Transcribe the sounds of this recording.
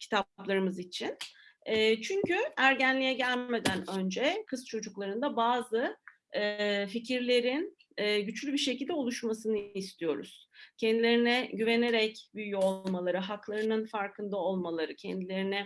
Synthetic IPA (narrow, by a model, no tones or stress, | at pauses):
cʰi̥t̪ʰaplˠaɾɯmɯzit͡ʃʰinː | t͡ʃʰyɲcyæɾɟænlʲijɛɟælʲme̞d̪ænø̞nd͡ʒɛkʰɯst͡ʃʰo̞d͡ʒuklˠaɾɯnd̪abaːzɯ | ficʰiɾlʲe̞ɾinː | ɟyt͡ʃlʲybiɾʃecilʲd̪ɛolˠuʃmasɯnɯist̪ʰijo̞ɾṵz̥cʰɛnd̪ilʲe̞ɾinɛɟyve̞ne̞ɾɛcbyjjyo̞llˠmalˠaɾɯɦaklˠaɾɯnɯnfaɾkʰɯnd̪ao̞lˠmalˠaɾɯcʰɛnd̪ilʲe̞ɾinɛ